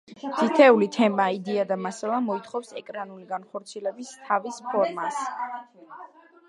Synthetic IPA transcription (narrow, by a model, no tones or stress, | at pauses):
t̪ʰit̪ʰɛulit̪ʰɛmaid̪iad̪amasalˠamɔit̪ʰχɔfsɛkʼɾanuliɡanχɔɾt̪sʰiɛlɛbist̪ʰavispʰɔɾmas